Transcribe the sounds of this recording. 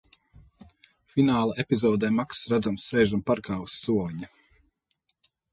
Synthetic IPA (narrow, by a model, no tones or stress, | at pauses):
finaːlˠaʔepizɔːd̪ɛjmaksɾad̪zamsːɛjʒampaɾkaːusːuɔlɲa